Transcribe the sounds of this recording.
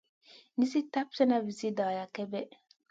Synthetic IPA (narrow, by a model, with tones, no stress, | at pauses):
ni˦si˦ta˦p̚sɛ˦na˦vi˨si˦da˨ja˨kɛ˦bɛ˦